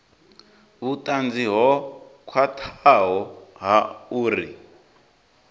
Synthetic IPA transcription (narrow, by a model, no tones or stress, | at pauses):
βutʼand͡ziɦɔkʰwatʰaɦɔɦauːɾḭ